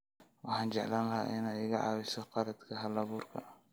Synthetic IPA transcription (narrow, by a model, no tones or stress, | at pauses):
wɑħaːnd͡ʒɛʕlanlɐɦaʔɪnaɪɣɐʕɑ̰ːwɪsɔqɑɾɐd̪kʰɐɦɐlɐβuːrkʰɐ̰